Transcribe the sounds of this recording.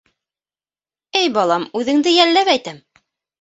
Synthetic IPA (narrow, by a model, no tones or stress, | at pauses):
ɘjbɑlˠɑmʉðɘ̆ŋd̪ɘjælːæpæjt̪æm